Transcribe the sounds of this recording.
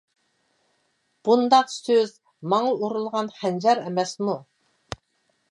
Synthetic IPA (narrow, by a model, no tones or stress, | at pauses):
b̥und̪ɑqsøz | mɑŋɑuɾulˠʁɑnχænd͡ʒɛɾɛmɛsmu